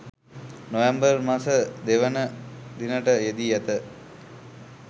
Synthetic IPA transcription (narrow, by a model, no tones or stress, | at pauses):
nojambərmasəd̪eʋənəd̪inəʈəjed̪ijæt̪ə